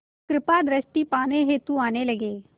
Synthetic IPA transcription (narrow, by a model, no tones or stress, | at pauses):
kɾɪpad̪ɾəsʈiːpaːneɦeːt̪uaːneːləɡeː